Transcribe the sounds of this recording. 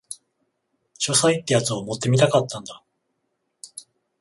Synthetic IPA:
ɕo̞sait̪ːejat͡sɨomo̞t̪ːe̞mʲit̪akat̪ːãnd̪a

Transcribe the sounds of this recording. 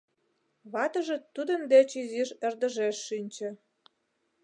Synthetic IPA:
βɑt̪əʒĕt̪ːud̪ə̆nd̪et͡ɕiziʃerd̪ə̆ʒeʃːynʲt͡ɕĕ

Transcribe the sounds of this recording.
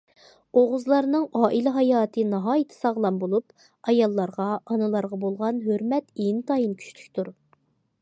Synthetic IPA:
oʁʊzlˠɑɾnɨŋɑːʔilɪɦɑjɑːt̪ʰɨnɑɦɑːjɨt̪ʰɨ̥sɑʁlˠɑmbolˠup | ɑjɑlˠːɑɾʁɑʔɑnɨlˠɑɾʁɑbolˠʁɑnɦøɾmɛt̪ent̪ʰɑjinkʲʰy̥ʃly̥kʲt̪uɾ

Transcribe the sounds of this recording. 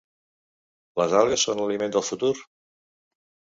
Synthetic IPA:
ləzalˠɣəsːonləlimend̪əlˠfut̪uɾ

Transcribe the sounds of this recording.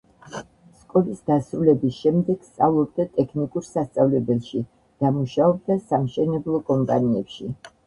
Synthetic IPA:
skʼɔlisd̪asɾulɛbisʃɛmd̪ɛɡ̥st̪sʼavlˠɔb̚d̪at̪ʼɛkʰnikʼuɾsast̪sʼavlɛbɛlˠʃi | d̪̥amuʃaɔb̚d̪asamʃɛnɛblˠɔkʼɔmpʼaniɛpʃi

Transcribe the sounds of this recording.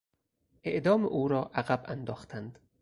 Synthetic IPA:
ʔḛʔd̪ɒːmḛʔuːɾɒːʔæɣæbænd̪ɒːxt̪ʰænd̪

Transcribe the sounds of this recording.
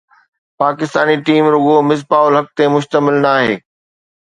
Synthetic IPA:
paːkɪst̪aːniʈiːmɾʊɡomɪs̬paːʊlɦɐk̚t̪emʊʃt̪əmɪlnaːɦḛː

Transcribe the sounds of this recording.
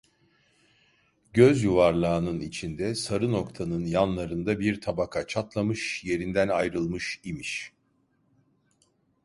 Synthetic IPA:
ɟøzjuvaɾlˠaːnɯnit͡ʃʰind̪ɛsaɾɯno̞kt̪ʰanɯnjanlˠaɾɯnd̪abiɾt̪ʰabakʰat͡ʃʰat̪lˠamɯʃje̞ɾind̪ænajɾɯlˠmɯʃimiʃ

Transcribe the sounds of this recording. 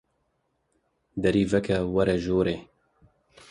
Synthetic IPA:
d̪ɐɾiːvɛkɛwɐɾɛʒoːɾeː

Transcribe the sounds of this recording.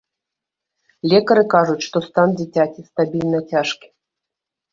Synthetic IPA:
lʲɛkɐɾɨkaʐut͡sʲʂt̪ɔst̪and͡zʲit͡sʲakʲist̪abʲilʲnɐt͡sʲaʂkʲi̥

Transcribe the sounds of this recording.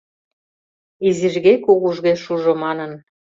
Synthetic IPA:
iziʒɣekuɣuʒɣeʃuʒomɑnən

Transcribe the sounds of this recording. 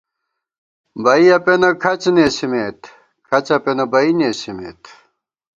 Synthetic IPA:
bɐiɐpenɐkʰɐt͡ɕneːɕimeːt̪ | kʰɐt͡ɕɐpenɐbɐineːɕimḛːt̪

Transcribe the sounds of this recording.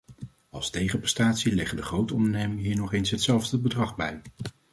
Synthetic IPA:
ɑlˠstejχəprɛstaːtsilɛχəndəχrowtɔndəɹnejmɪŋəɦiːɹnɔχejnsɦətsɛlˠvdəbədrɑχbɛj

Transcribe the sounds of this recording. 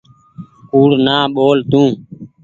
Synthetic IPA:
uːɽnaːɓoːlt̪ũː

